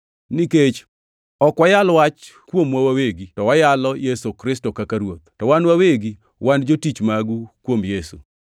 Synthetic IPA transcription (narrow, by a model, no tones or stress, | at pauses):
niket͡ʃ | ɔkwajalwat͡ʃkwomwawaweɡitɔwajalɔjesokɾɪstokakaɾwot̪̚tɔwanwaweɡi | wand͡ʒotit͡ʃmaɡukwomjesṵ